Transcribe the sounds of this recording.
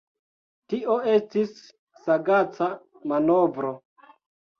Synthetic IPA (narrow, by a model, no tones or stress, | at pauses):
tiʔo̞e̞stisː | aɡat͡sa | manovɾo̞